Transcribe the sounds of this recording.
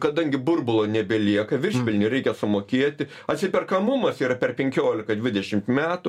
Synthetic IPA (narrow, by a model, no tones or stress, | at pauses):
kɐd̪ɐŋʲɡʲɪbʊrbʊlˠoːnʲɛbʲɛlʲiɛkɐʋʲɪrʃʲpʲɪlʲnʲɪɾʲɛɪkʲɛsʊmoːkʲiɛt̪ʲɪ | ɐt̪ʲsʲɪpʲɛrkɐmʊmɐsiːɾɐpʲɛrpʲɛŋʲkʲoːlʲɪkɐd̪ʲʋʲɪd̪ʲɛʃʲɪmt̪mʲæːt̪ʊ